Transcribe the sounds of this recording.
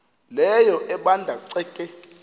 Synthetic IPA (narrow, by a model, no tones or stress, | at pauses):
lɛjɔʔɛɓandʱaǀɛkʼɛ